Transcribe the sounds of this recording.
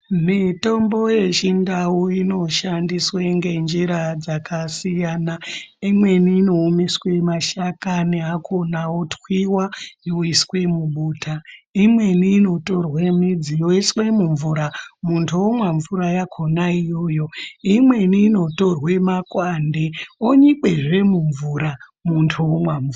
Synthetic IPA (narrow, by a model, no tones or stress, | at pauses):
mito̞mbo̞je̞t͡ʃindawuino̞ʃandisweŋɡe̞nd͡ʒiɾad͡zakasijaːnaimwe̞niːno̞ːmiswe̞maʃakaniɦakʰo̞nawotwiwajoiswe̞muɓuːtaimwe̞niːno̞to̞rwe̞mid͡zijo̞iswe̞muɱvuɾamuntʰuwomwaɱvuɾajakʰo̞naijo̞jo̞imwe̞niːno̞to̞rwe̞makwande̞oɲike̞ʐe̞muɱvuɾa | muntʰuomwaɱvua